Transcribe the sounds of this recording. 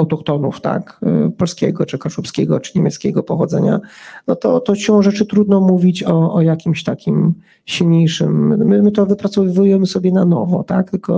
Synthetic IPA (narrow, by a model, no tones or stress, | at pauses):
awt̪ɔkt̪ɔnṵft̪a̰kpɔlskʲɛ̰ɡɔt͡ʂɘkaʂupskʲɛɡɔt͡ʂɘ̥ɲɛmʲjɛt̪skʲɛɡɔpɔxɔd̪zɛɲa̰nɔt̪ɔt̪ɔɕɔ̃w̃ʐɛt͡ʂɘt̪ɾud̪nɔmuvʲit͡ɕɔɔjakʲimɕt̪akʲim | ɕilɲejʂɘ̰mːɘmɘt̪ɔvɘpɾat̪sɔvujɛmɘsɔbʲjɛnanɔ̰vɔ̰t̪ak̚t̪ɘlkɔ